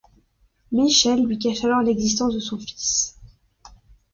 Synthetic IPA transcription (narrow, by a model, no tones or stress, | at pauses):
miʃɛlːɥik̬aʃalɔʁlɛɡzis̬t̪ɑ̃sd̪əsɔ̃fi̥s